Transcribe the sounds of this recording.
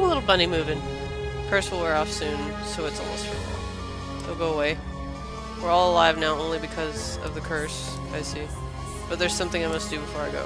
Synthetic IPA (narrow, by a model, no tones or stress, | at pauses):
məlɪɾl̩ˠbʌñimʉvɨ̃n | kʰɜ˞swəl̩ˠwə˞ɔfsʉ̃n | soʊɨtsəlʌ̰stʰɹ̥ə̰bl̩ˠ | ɪl̩ˠɡoʊəweɪ | wəɹɔlˠəlaɪvnaʊʔõʊ̃nlibɨkʰʌz | ʌ̰vðɨkʰɜ˞s | aɪsi | b̥ʌt̪̚ðə˞z̥sʌ̃mθɪ̃ŋaɪmʌsd̥ɨbɨfɔɹaɪɡo̰ʊ